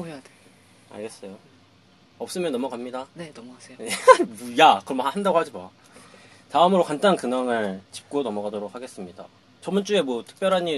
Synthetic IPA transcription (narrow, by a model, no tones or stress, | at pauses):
ode | a̰ɭɡe̞s͈ʌjo | ʌp̚s͈ɯmjʌnːʌmʌɡamɲidanenʌmʌɡaseejakɯɾʌmbʌhandaɡohad͡ʑibaa | taɯmɯɾokant͈ankɯŋaŋɯɭt͡ɕi̥p̚k͈onʌmʌɡadoɾok̚ʰhaɡe̞s͈ɯmɲida̰ | t͡ɕʌmɯnt͡ɕ͈ue̞mwʌtʰɯ̥k̚p͈jʌɾɦaɲi